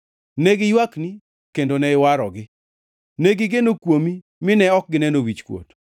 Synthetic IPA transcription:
neɡɪjwakni | kendonɛɪwaɾɔ̰ɡɪ | neɡɪɡenokwomi | mɪnɛɔk̚ɡɪnɛnowit͡ʃkwo̰t

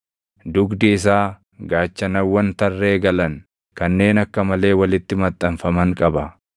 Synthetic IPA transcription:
d̪ʊɡd̪ɪɪs̬aː | ɡaːt͡ʃːɐnɐwːɐnt̪ɐrːe̞ːɡɐlɐŋ | kɐnːe̞ːnɐkːɐmɐle̞ːwɐlɪt̪ːɪmɐt̪ʼːɐnfɐmɐŋkʼɐbɐ

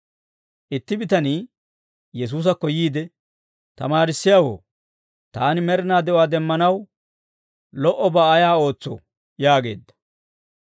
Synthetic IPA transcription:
ʔɪt̪ːɪbɪt̪ɐniː | jɛs̬uːs̬ɐkːɔjiːd̪ɛ | t̪ɐmaːɾɪsːɪjawo̰ː | t̪aːnɪmɛɾɪnaːd̪ɛɔwaːd̪ɛmːɐnɐw | lɔʔɔbɐːjaːo̞ːt͡sːɔ̰ | jaːɡe̞̰ːd̪ːɐ̥

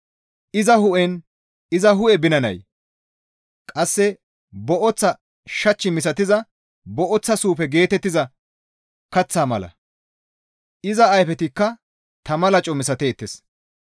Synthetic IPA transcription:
ʔɪzɐhʊʔɛn | ɪzɐɦʊʔɛbɪnɐnɐ̰j | kʼɐsːɛ | bɔʔɔt͡sːɐ | ʃɐt͡ʃːɪmɪs̬ɐt̪ɪzɐ | bɔʔɔt͡sːɐsuːpɛɡe̞ːt̪ɛt̪ːɪzɐ | kɐt͡sːaːmɐlɐ̰ | ʔɪzɐːjfɛt̪ɪkːɐ | t̪ɐmɐlɐt͡ʃʼɔmɪs̬ɐt̪eːt̪ːɛs

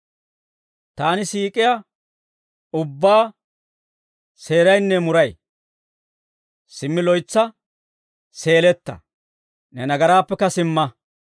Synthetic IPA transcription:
t̪aːnɪsiːkʼɪja | ʊbːaː | se̞ːɾɐjnːɛmʊɾɐj | sɪmːɪlɔjt͡sːɐ | se̞ːlɛt̪ːɐ̰ | nɛnɐɡɐɾaːpːɛkɐsɪmːɐ

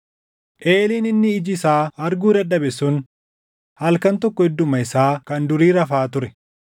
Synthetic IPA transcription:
ʔeːliːnɪnːɪːd͡ʒɪsaːɐɾɡuːd̪ɐd̪ːɐbɛsʊn | hɐlkɐnt̪ɔkːɔɛd̪ːʊmɐɪsaːkɐnd̪ʊɾiːɾɐfaːt̪ʊɾɛ

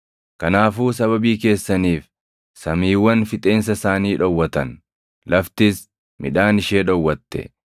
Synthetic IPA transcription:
kɐnaːfuːs̬ɐβɐbiːke̞ːsːɐniːf | sɐmiːwːɐnfɪt̪ʼe̞ːns̬ɐsaːniːᶑɔwːɐt̪ɐn | lɐft̪ɪs | mɪᶑaːnɪʃe̞ːᶑɔwːɐt̪ːɛ̰

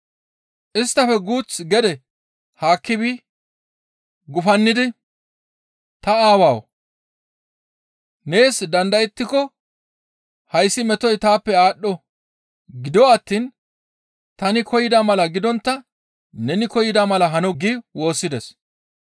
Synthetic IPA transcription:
ʔɪst̪ːɐfɛɡuːt͡sɡɛd̪ɛ | haːkːɪbi | ɡʊfɐnːɪd̪ɪ | t̪ɐaːwaːw | ne̞ːsd̪ɐnd̪ɐjɛt̪ːɪkɔ | hɐjsːɪmɛt̪ɔjt̪aːpːɛaːɗːɔ | ɡɪd̪ɔɐt̪ːiːn | t̪ɐnɪkɔjɪd̪amɐlɐɡɪd̪ɔnt̪ːɐ | nɛnɪkɔjɪd̪amɐlɐɦɐnɔɡiwo̞ːsːɪd̪ɛs

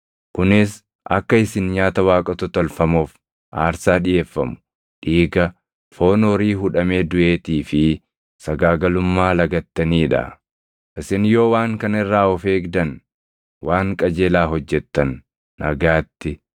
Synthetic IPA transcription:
kʊnɪs | ʔɐ̰kːɐɪsɪnɲaːt̪ɐwaːkʼɐt̪ɔt̪ɐlfɐmoːf | ʔaːɾsaːᶑɪjʔe̞ːfːɐmʊ̥ | ᶑiːɡɐ | fo̞ːnɔːɾiːɦʊᶑɐme̞ːd̪ʊʔe̞ːt̪iːfɪ | sɐɡaːɡɐlʊmːaːlɐɡɐt̪ːɐniːᶑɐ̰ | ʔɪsɪnjo̞ːwaːŋkɐnɪrːaːɔfe̞ːɡd̪ɐn | waːŋkʼɐd͡ʒeːlaːɦɔd͡ʒːɛt̪ːɐnː | ɐ̰ɡaːt̪ːɪ

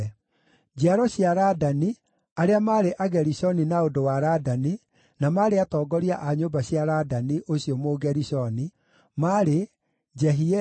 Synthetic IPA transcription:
d͡ʑeaɾɔɕjaɾadani | aɾeamaːɾeʔaɡɛɾisɔninaondowaɾadani | namaɾeatɔːɡɔɾiaʔaɲoːbaɕjaɾadaniʔoɕiɔmoɡɛɾisɔni | maɾe | d͡ʑɛɦi

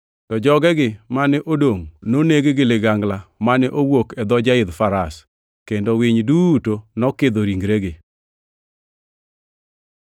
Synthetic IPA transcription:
tɔd͡ʒɔɡɛɡɪmanɛʔodoŋnoneɡeɡɪlɪɡaŋɡlamanɛʔowokɛd̪ɔd͡ʒaɪd̪faɾas | kendowɪɲdutonɔkɪd̪oɾiŋɡɾeɡɪ

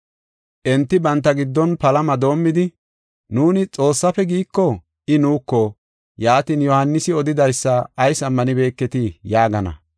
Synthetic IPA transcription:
ʔɛnt̪ːɪbɐnt̪ːɐɡɪd̪ːɔnpɐlɐmɐd̪o̞ːmːɪd̪ɪ | nuːnɪt͡sʼo̞ːsːɐfɛɡiːkːɔ | ʔɪnuːkːɔ | jaːt̪iːnjɔhɐnːɪsɪɔd̪ɪd̪ɐjsːɐːjsɐmːɐnɪbe̞ːkːɛt̪ɪjaːɡɐnɐ̰

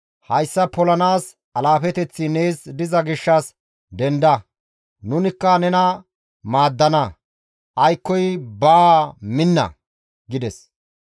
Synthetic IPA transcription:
hɐjsːɐpɔlɐnaːs | ɐlaːfɛt̪ɛt͡sːɪne̞ːsd̪ɪzɐɡɪʃːɐs | d̪ɛnd̪ɐ | nʊnɪkːɐnɛnɐ | maːd̪ːɐnɐ | ʔɐjkːɔjbaːmɪnːɐ̰ | ɡɪd̪ɛs

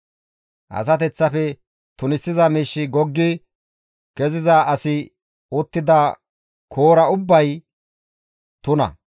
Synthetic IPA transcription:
ʔɐ̰s̬ɐt̪̬ɛt͡sːɐfɛ | t̪ʊnɪsːɪzɐmiːʃːɪɡɔɡːɪ | kɛzɪzɐʔɐsɪ | ɔt̪ːɪd̪ɐ | kʰo̞ːɾɐʊbːɐj | t̪ʊnɐ̰

